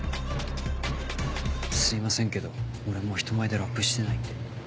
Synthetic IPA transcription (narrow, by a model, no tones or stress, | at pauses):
sɨimasẽŋke̞d̪o̞oɾe̞mo̞çi̥t̪o̞maed̪eɾakːɯ̟ɕi̥t̪e̞nait̪d̪e